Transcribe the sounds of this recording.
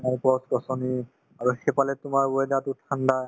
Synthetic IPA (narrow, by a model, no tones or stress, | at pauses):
majpɔskɔsɔni | aɹuxɛpalɛtʊmaɹboɛdatutʰanda